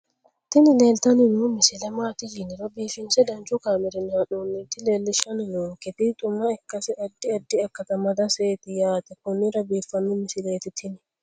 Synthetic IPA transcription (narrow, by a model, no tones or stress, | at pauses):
t̪inilelt̪aninumisilɛmaːt̪iliniɾobifinsɛdand͡ʒukamɛɾinaɗunːit̪ilelːiʃaninukɛt̪it̪ʼumaɛkːasɛʔadːiadːiɛkːat̪amad̪aseːt̪ijaːt̪ɛkunːiɾabifanːumɪsileːt̪it̪ʰini